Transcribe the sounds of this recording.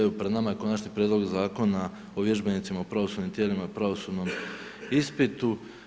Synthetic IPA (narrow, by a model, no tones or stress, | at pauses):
upɾed̪namajeko̞nat͡ʃɲipɾʲjed̪lo̞ɡzaːko̞na | oʋje̞ʒbe̞nit̪simaopɾaʋo̞sud̪nimt̪jeːlimaipɾaʋo̞suːd̪no̞m | ispit̪u